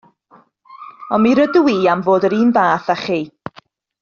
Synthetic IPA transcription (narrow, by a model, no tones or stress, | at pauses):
ɔnmiɾəduwiːamvoːdəɾiːnvaːθaχiː